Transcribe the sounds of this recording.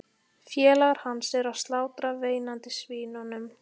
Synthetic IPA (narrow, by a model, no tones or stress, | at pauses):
fjɛːlaɣaɾ̥hanːsɛɾawst̪laːwt̪ɾaveːjnant̪ɪsviːnanʏm